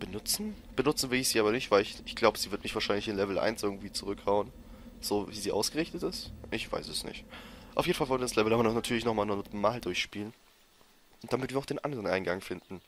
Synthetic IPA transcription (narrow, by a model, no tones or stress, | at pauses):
b̥ənʊt͡sn̩ | b̥ənʊt͡sn̩vɪlɪçz̥iːaːbɐnɪçtv̥aɪlɪçɪçɡ̥laʊbəz̥iːvɪɐtmɪçv̥aːɐʃaɪnlɪçɪnlɛvl̩ʔa̰ɪnsʔɪɐɡŋ̩tv̥iːt͡suʁʏkhaʊən | z̥oːviːziːʔa̰ʊsɡ̥əʁɪçtətɪstʔɪçv̥a̰ɪsɛsnɪ̰çtʔaʊfjeːdn̩falvɔlntədaslɛvl̩amɐnatʰyːɐlɪçnɔχmaːlnɔtmaːldʊɐçʃpiːlən | nd̥amɪtv̥iːɐʊd̥eːnʔa̰ndəʁənʔa̰ɪnɡaŋfɪndn̩